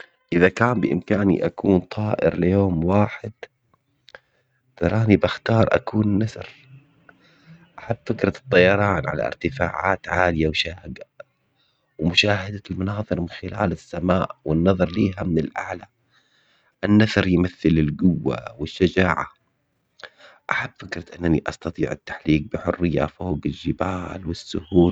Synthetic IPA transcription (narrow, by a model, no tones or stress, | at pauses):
ʔɪðakaːmbɪʔɪ̰mkaːnḭʔakuːnt̪ˤʰɑːʔɪ̰ɾlɪjoːmwaːħɪd̪̥ | t̪ɑɾˤɑːnibaxt̪ɑːɾˤʔa̰kuːnnasɑɾ | ʔaħabːfɪkɾˤɑt̪ˤːɑjɑɾˤɑːnʕa̰la̰ʔɪ̰ɾt̪ɪfa̰ːʕa̰ːt̪ʕaːlɪjawʃaːhɡa | wmʊʃaːhad̪almʊnɑːðˤɨɾmɪnxɪla̰ːlɪsːamaːʔwɪnːɑðˤɑɾˤliːɦamɪnɪlʔa̰ʕla | ʔɪnːaθɑɾˤjmaθːɪlɪlɡʊwːa̰wɪʃːad͡ʒaːʕa | ʔaħabːfɪkɾˤɑt̪ʔɪnːaniʔɑst̪ɑt̪ˤḭːʕat̪ːḁħliːk̚bɪħʊrːɪjːa̰foːɡɪlʒːɪbaːlwɪsːʊhuː